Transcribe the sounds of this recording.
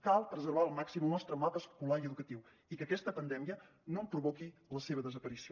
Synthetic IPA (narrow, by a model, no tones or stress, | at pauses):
kalˠpɾəzərβaəlˠmaksiməlˠnɔst̪ɾəmapəskulaiəðukət̪iw | ikəkɛst̪əpənd̪ɛmiə | nompɾuβokiləseβəðəzəpəɾisio